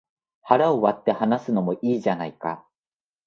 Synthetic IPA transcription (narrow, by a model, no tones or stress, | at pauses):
haɾaoβat̪ːe̞hanasɨno̞mo̞ʔiːʑanaika̰